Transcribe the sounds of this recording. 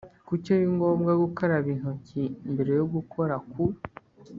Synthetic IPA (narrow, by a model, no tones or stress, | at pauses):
kucoɾiŋɡo̞ːmɡaɡukaɾaβin̥ocimbeɾe̞joɡukʰo̞ɾaku